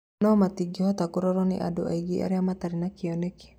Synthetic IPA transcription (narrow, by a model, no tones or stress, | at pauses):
nɔmat̪iɡihɔt̪akuɾɔɾɔnḭʔa̰duʔa̰iɡiʔa̰ɾiamat̪aɾinakiɔnɛki̥